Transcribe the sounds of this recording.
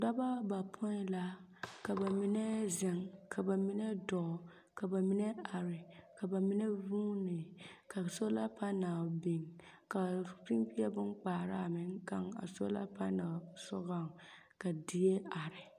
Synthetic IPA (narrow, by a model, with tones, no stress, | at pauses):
da˦ba˦ba˨pʰo˦la˦ka˨ba˨mi˦nɛ˦zɪ˨ŋkʰa˨ba˨mi˦nɛ˦dɔ˨ | ka˨ba˨mi˦nɛ˦a˨ɾɪ˨ka˨ba˨mi˦nɛ˦vuː˦nɪ˨ka˨so˦la˦pa˦na˨bi˨ŋ | ka˨pi˦m˦pi˦ɛ˦bʊ˦nk͡paː˨ɾa˦a˨mɪ˨˦ŋ˦ka˦ŋa̰˨so̰˦la̰˦pa˦na˨sɔ˦ɣa˦˨ŋ | ka˨di˦e˦a˨ɾɪ˨